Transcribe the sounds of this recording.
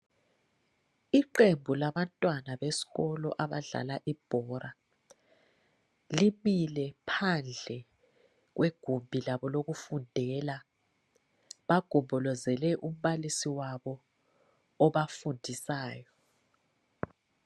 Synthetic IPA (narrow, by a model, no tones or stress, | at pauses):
iǃembʱulaβantʼwanaβesi̥ɣɔlɔ̰ʔaβaɮa̰laʔib̥ʱɔɾʔa | limilɛpʰand͡ɮʱɛ | ɣ̬weɡ̥ʱumbʱilaβɔloɣufundʱɛla | βaɡ̥ʱumbʱɔlɔzɛlɛʔum̩ɓalisiwaβɔː | βafundʱisaːjɔ